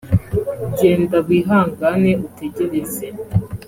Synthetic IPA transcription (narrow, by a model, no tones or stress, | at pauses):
uɟe̞ːndaɡ̚ɡiːɦaːŋɡane̞ʔutʰe̞ɟe̞ɾeze